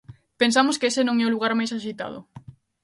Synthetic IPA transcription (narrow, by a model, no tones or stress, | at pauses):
pensamʊskɪesɪnõŋɛʊluɣ̞aɾmajsaʃit̪a̰ð̞ʊ̰